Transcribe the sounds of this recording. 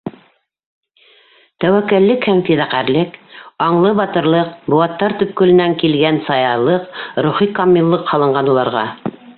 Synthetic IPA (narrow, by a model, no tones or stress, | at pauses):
t̪æwækːælːɘkhæmfiðæqæɾlɘkɑɴlˠɤbɑt̪ɤ̆ɾlˠɤqbuɑt̪ːɑɾt̪ɵ̆p̚kɵ̆lɘ̆næŋkilɡænsɑjɑlˠɤqɾuχikɑmʲːilˠːɤqhɑlˠɤ̆ɴɢɑnulˠɑɾʁɑ